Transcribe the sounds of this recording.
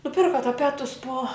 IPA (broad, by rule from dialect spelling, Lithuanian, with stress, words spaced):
nʊˈpʲɪrkɐ tɐˈpʲæːtʊs poː